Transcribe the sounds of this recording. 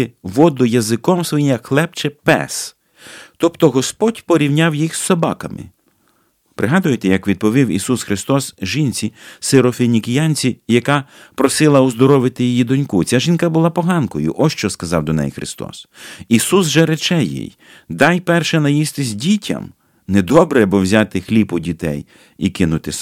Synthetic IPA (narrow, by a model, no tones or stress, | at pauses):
ɪʋɔd̪ʊjɐzɪkɔmsʋɔjimjɐkxlˠɛpt͡ʃɛpɛ̰s | t̪ɔpt̪ɔɦɔspɔdʲpɔɾʲiwnʲawjixssɔbɑ̰kɐmɪ̰ | pɾɪɦɑd̪ʊjet̪ɛjɐkʋʲid̪̚pɔʋʲiwḭsusxɾɪst̪ɔsʒint͡sʲiseɾɔfʲenʲikʲɪjanʲt͡sʲijɐkɑpɾɔsɪlˠɐʊzd̪ɔɾɔʋɪt̪ɪjijid̪ɔnʲkut͡sʲaʒinkɐbʊlˠɑpɔɦɑnkɔjʊ̰ʔɔʃt͡ʃɔskɐzɑwd̪ɔnɛ̰jxɾɪ̰st̪ɔ̰sisusʒɛɾet͡ʃɛjḭj | d̪ɑjpɛrʃɛnɐjist̪ɪzʲdʲitʲɐ̰m | nɛd̪ɔbɾɛbɔwzʲat̪ɪxlʲipʊdʲit̪ɛ̰j | ikɪnʊt̪ɪ